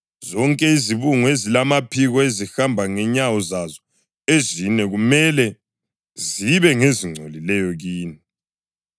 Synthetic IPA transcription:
zɔŋkʼɛiziβuŋwezilamapʰiɣɔezixambʱaŋɛɲawɔzazɔ | ezinɛɣumɛlɛ | ziβɛŋeziŋ͡ǀʱolilɛjɔɣiːni

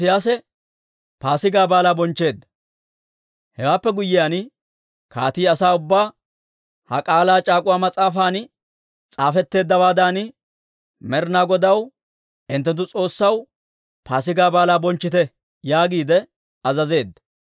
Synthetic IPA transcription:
ɪjaːsɛ | paːsɪɡaːbaːlaːbɔnt͡ʃːe̞ːd̪ːɐ̥ | hɛwaːpːɛɡʊjːɪjaːn | ka̰ːt̪iːɐsaːʊbːaː | hɐ̰kʼaːlaːt͡ʃʼaːkʼʊwaːmɐt͡sʼaːfaːn | t͡sʼaːfɛt̪ːe̞ːd̪ːɐwaːd̪aːn | mɛɾnaːɡɔd̪ɐw | ʔɪnt̪ːɛt̪̬ːʊt͡sʼo̞ːsːɐw | paːsɪɡaːbaːlaːbɔnt͡ʃːɪt̪ɛ | jaːɡiːd̪ɛ | ɐzɐze̞ːd̪ːɐ̥

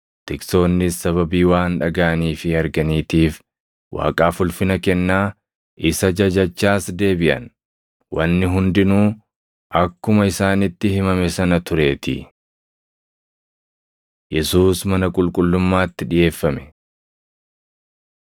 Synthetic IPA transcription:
t̪ɪkso̞ːnːɪsːɐβɐbiːwaːnᶑɐɡaːniːfɪɐɾɡɐniːt̪iːf | wʔa̰ːkʼaːfʊlfɪnɐkɛnːaː | ʔɪsɐd͡ʒɐd͡ʒɐt͡ʃːaːsd̪e̞ːbɪʔɐ̰n | wɐnːɪɦʊnd̪ɪnuː | ʔɐkːʊmɐɪsaːnɪt̪ːɪhɪmɐmɛsɐnɐt̪ʊɾe̞ːt̪ɪ̰ | jɛsuːsmɐnɐkʼʊlkʼʊlːʊmːaːt̪ːɪᶑɪje̞ːfːɐmɛ

